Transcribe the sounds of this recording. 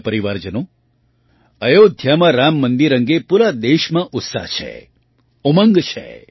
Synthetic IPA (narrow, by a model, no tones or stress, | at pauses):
pəɾiʋaɾd͡ʒənõ | əjod̪ʱjamãɾamːənd̪iɾə̃ŋɡepuɾad̪eʃmãʔʊt̪sa̰ɦt͡ʃʰḛ | oməŋɡt͡ʃʰḛ